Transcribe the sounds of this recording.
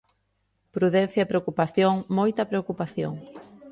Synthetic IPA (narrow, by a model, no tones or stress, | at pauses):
pɾuðẽn̟θjɐpɾeokupaθjoŋmojt̪ɐpɾeokupaθjo̰ŋ